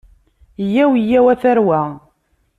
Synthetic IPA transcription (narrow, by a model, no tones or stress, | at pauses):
jːæwijːæwæθæɾwæ